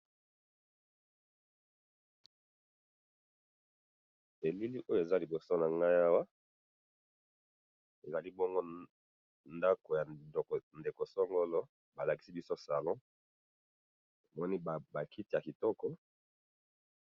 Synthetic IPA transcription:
e˨li˦li˦ʔo˦jo˦˨e˨za˦li˨bo˨so˦na˨ŋɡa˦ja˦wa˦ | e˨za˨li˦bɔ˦ŋɡo˦ | nda˦ko˨ja˨nde˨ko˨sɔ˦ŋɡɔ˦lɔ˦ | ba˨la˨ki˨si˦bi˦so˦sa˨lɔ̃˦ | e˨mɔ˦ni˦˨ba˨ki˦ti˦ja˨ki˨tɔ˦kɔ˦

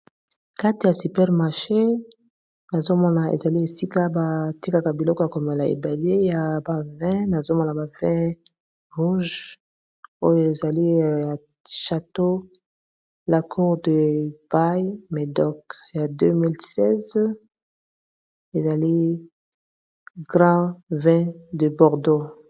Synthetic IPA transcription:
ka˦ti˨ja˨sy˨pɛ˦ʁma˨ʃe˦ | na˨zo˦mɔ˦na˨ḛ˨za˨li˦e˨si˦ka˦ba˨ti˦ka˨ka˨bi˨lɔ˦kɔ˦˨ja˨ko˨me˨la˨ḛ˨ba˨le˦ja˨ba˨vɛ̃˦na˨zo˦mɔ˦na˨ba˨vɛ̃˦ | ʁu˦ʒ | o˦jo˨e˨za˨li˦ja˨ | ʃa˨to˦ | la˨kʰu˦ʁdə˨pa˦jime˨dɔ˦kja˨dø˦mi˦lsɛ˦z | e˨za˨li˦ | ɡʁɑ̃˦vɛ̃˦də˨bɔ˨ʁdo˦

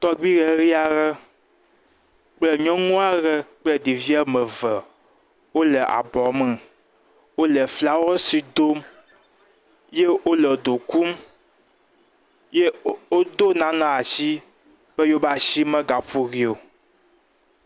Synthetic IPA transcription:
t̪ɔ˦ɡ͡bi˦ɣɛ˨ɾi˦a˨ɣɛ˦ | k͡plɛ˦ɲɔ̃˦ŋũ˦a˦ɣɛ˦k͡plɛ˦di˨vi˦ɛ˦mɛ̃˨vɛ˨ | wo˦lɛ˨ʔa̰˨bɔ˨mɛ̃˨ | wo˦lɛ˨fla˦wɛ˦si˨d̪o˦m | je˦wo˦lɛ˨d̪o˨ku˦m | je˦o˦d̪o˦nã˨nã˨a˨ʃi˦ | bɛ˦jo˦ba˨ʃi˦mɛ̃˦ɡa˨ɸu˦ɣi˨o˨

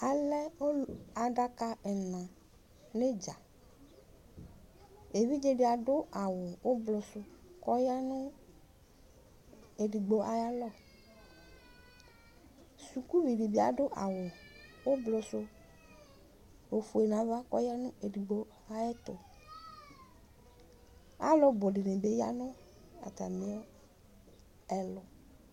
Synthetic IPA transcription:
a˨lɛ˦o˦a˨ɖa˦ka˦ɛ˨nã˨ | ne˦d͡ʒa˨ | e˨vi˦d͡ʒe˦ɖi˦˨a˨ɖʊ˦a˨wʊ˨wʔo˦blʊ˨sʊ˦kɔ˦ja˦nʊ̃˦ | e˨ɖi˨ɡ͡bo˨ʔa˨ja˦lɔ˦˨ | su˨ku˦vi˨ɖi˨bi˦a˨ɖʊ˦ʔa˨wʊ˨wʊ˦blʊ˨sʊ˦ | o˨fu˨e˨nã˨va˦kɔ˦ja˦nʊ̃˦e˨di˨ɡ͡bo˦ | a˦jɛ˦t̪ʊ˨ | a̰˦lɔ˦bʊ˨ɖɪ˨nẽ˨be˦ja̰˦nʊ̃˦ | a̰˨t̪a˨mẽ˦ɔ˦ | ɛ˨lʊ˨

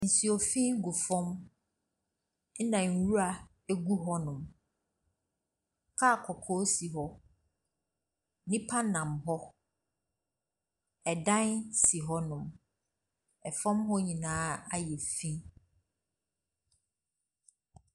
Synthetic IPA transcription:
n̩˨si˨ɔ˨fĩ˦ɡu˨fɔ̃˦m˦ | nã˨ŋ̩˨wu˦a˨ | e˦ɡu˦ɦɔ˦nʊ̃˨m | kʰaː˦˨kʰɔ˨kʰɔː˦si˨ɦɔ˦ | nĩ˦pʰa˦nã˨mɦɔ˦ | ɛ˨dã˦nsi˨ɦɔ˦nʊ̃˨m | ɛ˨fɔ̃˦mɦɔ˦ɲĩ˨nãː˦a˦jɛ˨fĩ˦

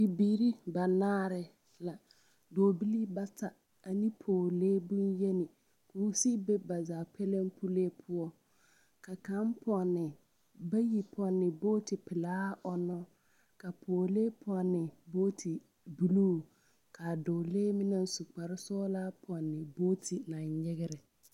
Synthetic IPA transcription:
bi˨biː˨ɾi˦ba˨naː˦ɾɪ˨ | la˨ | doː˨bi˦li˦ba˦ta˨ | a˨ni˦pʰoː˨leː˦bu˦nje˦nɪ˨ | kuː˨˦si˦be˦ba˨zaː˨pʰɛ˦le˦mpʰu˦leː˦pʰʊ˦ɔ˦ | ka˨ka˨˦m˦pɔ˨nːɪ˨ | ba˦ji˨pʰɔ˨nːɪ˨boː˦tɪ˨pɪ˨laː˦ɔ˨nɔ˦ | ka˨pʰoː˨leː˦pʰɔ˨nːɪ˨boː˦tʰi˨ | bu˨luː˦ | kʰa˨doː˨le˦mɪ˦na˦n˦su˨k͡pa˨ɾɪ˦sɔː˦la˦pʰɔ˨nːɪ˨boː˦tʰi˨nã˨ɲɲɪ˦ɣɪ˦ɾɪ˨

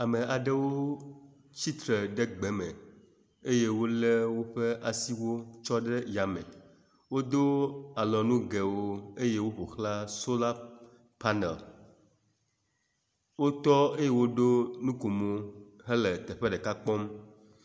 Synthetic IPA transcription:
a˨me˨ʔa˨ɖe˦wo˦ | t͡ɕi˦t̪ɾə˨ɖe˦ɡ͡bɛ˨mẽ˨ | e˦je˦wo˦le˦wo˦ɸe˦ʔa˨si˦wo˦t͡ʃɔ˦ɖe˦ja˨mḛ̃˨ | wo˦d̪o˦a˨lɔ˨nũ˦ɡe˨wo˦e˦je˦wo˦ɸo˨xla˦so˦la˦ | pa˦nɛ̰˨l | wo˦t̪ɔ˦e˦je˦wo˦ɖo˦nũ˦ko˨mo˦ɦɛ˦le˨t̪ɛ˨ɸɛ˦ɖe˨ka˦k͡pɔ˦m

